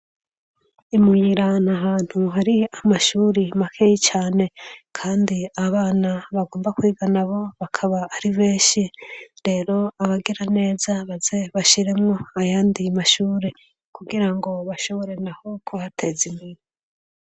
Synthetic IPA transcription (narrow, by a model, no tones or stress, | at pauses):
imujiɾanaɦaːn̥huɦaɾiamaʃuːɾimakʰejit͡ʃaːne̞kʰaːndiaβaːnaβaɡo̞ːmbakwiːɡanaβo̞βakʰaβaːɾiβeːʃiɾe̞ːɾo̞aβaɡeɾane̞ːzaβazeβaʃiɾe̞mŋo̞ajaːndimaʃuːɾe̞ | kuɡiɾaŋɡo̞βaʃo̞βo̞ɾe̞naho̞kʰohatʰe̞zimiɾi